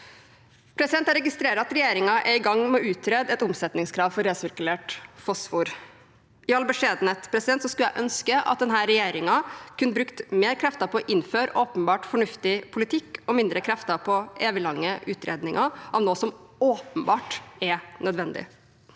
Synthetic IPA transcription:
pʰɾɛsɪd̪ɛnt̪æɾɛɡɪst̪ɾeːɾəɾɑt̪ɾɛjeːɾɪŋɑʔɛɾɪɡɑŋmɛʉːt̪ʰɾeːd̪ɛt̪ʊmsɛt̪nɪŋskʰɾɑːʋfɔɾeːsɪɾkʉleːʈfɔsfuːɾ | ɪɑlbəʂeːd̪n̩ət̪pʰɾɛsɪd̪ɛnt̪sɔskʉljæɪʔœnskəʔɑ̰t̪̚d̪ɛnɦæːɾɛjeːɾɪŋɑkʰʉnːəbɾʉkt̪meːɾkʰɾɛft̪əpʰɔʔɪnːføːɾʔoːpənbɑːʈfɔɳʉft̪ɪpʰʊlɪt̪ʰɪkːɔmɪnd̪ɾəkʰɾɛft̪əpʰɔeːʋɪlɑŋːəʔʉːt̪ɾḛːd̪nɪŋʔɑʔɑʋnoːsɔmoːpənbɑːʈɛnœd̪ʋɛnd̪ɪ̰

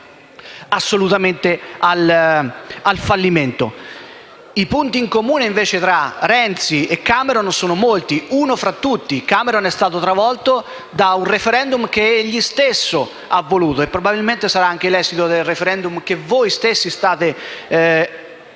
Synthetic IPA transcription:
asːolut̪ament̪eal | alfalːiment̪o̰ | ipunt̪iːŋkomuːneiɱveːt͡ʃet̪ɾaɾɛnt̪siekːameɾonsoːnomolt̪iuːnofɾat̪ːut̪ːikaːmeɾonɛst̪aːt̪ot̪ɾavɔlt̪o | d̪aunrefeɾɛnd̪umk̟eeʎːist̪esːo | avːoluːt̪oepːɾobabilment̪esaɾaaŋk̟elɛsit̪od̪elrefeɾɛnd̪umk̟evojst̪esːist̪aːt̪e

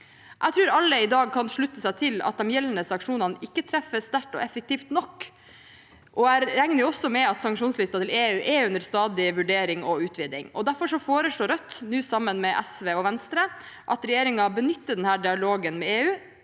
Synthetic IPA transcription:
ʔæɪt̪ʰɾʉːɾɑlːəɪd̪ɑːɡ̚kʰɑnʂɭʉt̪ːəsæɪt̪ʰɪlɑ̰t̪̚d̪ɛmjɛlːənəsɑŋkʂuːnɑnɪkːət̪ʰɾɛfːəst̪æʈɔ̰ɛfək̚t̪iːft̪nɔkː | ʔɔæɪɾɾæŋnəʊɔsːɔmɛɑt̪sɑŋkʂuːnslɪst̪ɑt̪ʰɪleːʉːʔɛʉnd̪əɾst̪ɑːd̪ɪʋʉɖeːɾɪŋɔʉːt̪ʰʋɪːd̪ɪ̰ŋɔd̪æɾfɔɾʂɔfoːɾəʂɭoːɾœt̪ːnʉːsɑmːənmɛʔɛsʋeːɔʋɛnst̪ɾə | ʔɑt̪ɾɛjeːɾɪŋɑbənʏt̪ːəɖɛnhæːɖɪɑloːɡənmɛeːʉː

